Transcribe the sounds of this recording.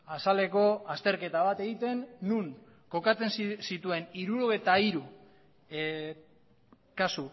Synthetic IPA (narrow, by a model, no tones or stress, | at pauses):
asale̞ko̞ast̪e̞ɾke̞t̪aβ̞at̪e̞ɣit̪e̞nːuŋ | ko̞kat͡se̞nssit̪ue̞niɾuɾoɣet̪aiɾu | kasu